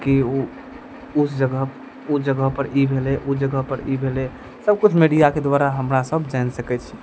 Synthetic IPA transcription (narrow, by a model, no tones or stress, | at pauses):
kio | ʊsd͡ʒəɡəɦ | ud͡ʒəɡəɦpəɾʔibʱeleʔud͡ʒəɡəɦpəɾibʱele | səb̚kut͡ʃʰmeɖijaked̪waɾaɦəmɾasəbd͡ʒɛnsəkɛt͡ʃʰi̥